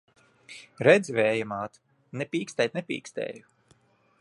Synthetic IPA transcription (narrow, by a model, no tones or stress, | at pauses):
ɾɛd̪zivɛːjamaːt̪ | nɛpʲiːkst̪ɛjt̪nɛpʲḭːkst̪ɛ̰ːju